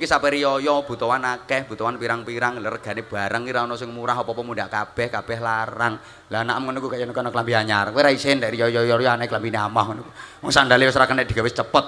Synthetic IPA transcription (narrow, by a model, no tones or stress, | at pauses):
kisapɛɾijɔjɔb̥ṳt̪ɔwanakɛhb̥ṳt̪ɔwanpiɾaŋpiɾaŋlarəɡ̥a̤neb̥a̤ɾəŋiɾaɔnɔsɪŋmuɾaɦɔpɔpɔmundaʔkab̥ɛhkab̥ɛhlaɾaŋ | lanaʔəmŋənukukaʔjanukanɔklampiɦaɲaɾweɾaisendɛʔrijɔjɔjɔɾjɔanaiklampineamahŋənukuwɔŋsandaliwɛsɾakəndɛʔd̥̪i̤̥ɡ̥a̤wɪst͡ʃəpət̪̚